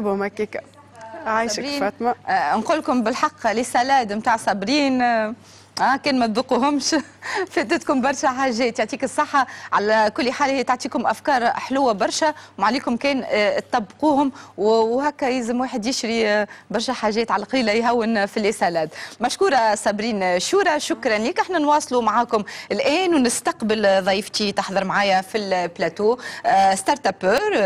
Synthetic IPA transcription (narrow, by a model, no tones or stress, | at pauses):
bhʊmhækːiːka | ʕaːjʃɾiːfɑːt̪manquːlːkʊmbɪlħɑqːlesælæːd̪mt̪aːʕsˤːɑbɾiːn | ʔæːkɛːnmæðʊquɦʊmʃfet̪ɪt̪kʊmbɑɾˤʃæħaːʒːɛːt̪joʕt̪ˤiːkɨsˤːɑħːɑʕalækʊlːħaːlhiːæt̪ʊʕt̪ˤiːkʊmʔæfkɑːɾˤħlʊwːabɑɾˤʃæwmaʕliːkʊmkɛːnt̪t̪ˤːɑbːquːhʊmwwhækːæjɪzɪmwaːħɪd̪jɪʃɾibɑɾˤʃæħaːʒːɛːt̪ʕalæqiːlæjɦæwːɪnfilːɪsælaːt̪mæʃkuːɾˤɑsˤɑbɾiːnʃuːɾˤɑʃʊkɾˤɑnliːkʔaħnænwɑːsˤlumʕaːkʊmɪlʔɛːnwnɪst̪ɑqbɪlðˤɑjft̪it̪ɪħðˤɨɾmʕaːjæfilplæt̪uːst̪ɑɾˤt̪apøːɾ